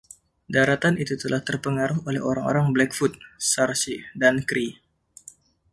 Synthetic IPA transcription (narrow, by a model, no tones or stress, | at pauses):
daɾat̪anit̪ut̪əlaht̪ərpəŋaɾʊɦolɛɦoɾaŋo̰ɾaŋblɛkfut̪̚sarsidankɾi